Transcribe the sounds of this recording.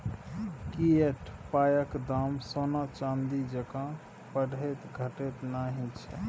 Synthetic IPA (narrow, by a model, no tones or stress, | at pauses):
kieʈʰpajəkd̪amsonat͡ʃãnd̪id͡ʒəkã | pəɽet̪ɡʱəʈet̪naɦint͡ʃʰɛ